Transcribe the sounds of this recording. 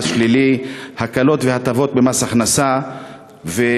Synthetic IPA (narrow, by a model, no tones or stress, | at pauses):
ʃlilihakalo̞t̪vehat̪avo̞t̪̚bemasaχnasa | ve